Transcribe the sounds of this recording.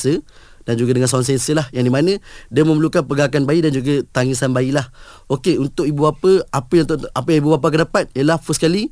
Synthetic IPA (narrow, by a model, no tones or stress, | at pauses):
sə | d̥and͡ʒuɡadəŋãnsawans̬ɛnsəlahjaŋdimanə̃diamə̃məlukanpəɡakanbaidand͡ʒuɡət̪aŋisanbailah | okeunt̪ʊkibubapəapəjaŋt̪apəjaŋibubap̬ak̬ədapat̪̚ijəlahfəsə̥kali